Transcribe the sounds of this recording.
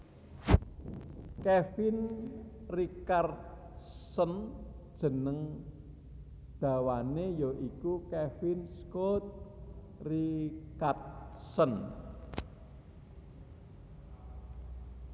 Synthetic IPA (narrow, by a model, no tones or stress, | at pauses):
kɛfin | rikart̪̚ | sənd̥ʒ̥ə̤nəŋ | d̪̥ä̤wanejoʔikukɛfinskot̪̚ | rikart̪̚sən